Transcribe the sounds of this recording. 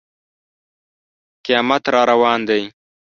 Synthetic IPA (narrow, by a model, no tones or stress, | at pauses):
qɪjɑːmat̪ɾɑɾawɑːnd̪aj